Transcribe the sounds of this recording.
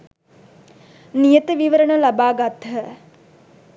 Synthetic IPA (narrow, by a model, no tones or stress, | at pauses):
nijət̪əʋiʋəɾəɳəlabaːɡat̪ɦə